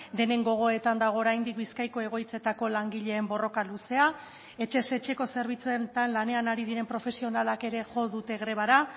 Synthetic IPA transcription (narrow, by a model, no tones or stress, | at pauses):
d̪e̞ne̞ŋɡo̞ɣ̞o̞e̞t̪and̪aɣ̞o̞ːɾajnd̪ik̚biskajko̞e̞ɣ̞o̞jt͡se̞t̪ako̞laŋɡiʎe̞ːmbo̞ro̞kaluse̞a | e̞t͡ʃe̞se̞t͡ʃe̞ko̞se̞ɾβ̞it͡suet̪anlane̞anaɾið̞iɾe̞mpɾo̞fe̞sio̞nalake̞ɾe̞ʝo̞ðut̪e̞ɣɾe̞β̞aɾa